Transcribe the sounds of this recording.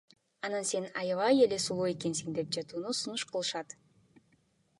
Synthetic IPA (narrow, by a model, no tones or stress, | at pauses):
ɑnɑnse̞nɑjɑvɑje̞le̞sulˠue̞ke̞nsiŋd̪e̞p̚d͡ʒɑt̪uːnusunuʃqɯlˠɯʃɑt̪